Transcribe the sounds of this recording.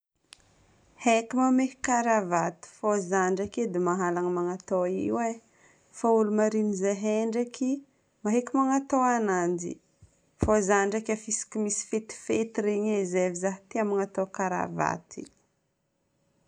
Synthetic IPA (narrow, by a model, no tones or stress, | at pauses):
hekʲimamehkaɾavat̪i̥fozaɳɖ͡ʐaked̪imaɦalaŋəmaŋat̪oiwe | faulumaɾinizeɦeɳɖ͡ʐaki | maɦekʲimaŋat̪oanand͡ʒḭ | fozaɳɖ͡ʐakʲafisi̥kimisi̥fet̪i̥fet̪iɾeɲezevizaɦt̪iamaŋat̪okaɾa̰va̰t̪ḭ